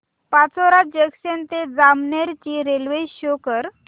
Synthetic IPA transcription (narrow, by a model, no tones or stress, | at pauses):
pat͡sɔɾat̪̚d͡ʑeksent̪ed͡zamneɾt͡ɕiːɾelʋeɕokəɾ